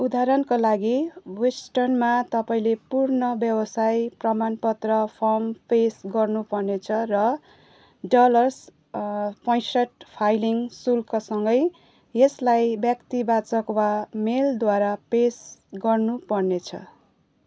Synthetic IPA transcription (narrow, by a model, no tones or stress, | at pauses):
ud̪aɾʌnkolaɡiwesʈʌrnmat̪ʌpaĩlepurnʌbjʌbʌsajprʌmanpʌt̪rʌpʰʌmpesɡʌrnupʌrnet͡sʰʌrʌ | ɖʌlʌrs | pʌjsʌʈpʰajliŋsulkasʌŋɡʌj | eslajbjʌkt̪ibat͡sʌkwameld̪waɾapesɡʌrnupʌrnet͡sʰʌ̰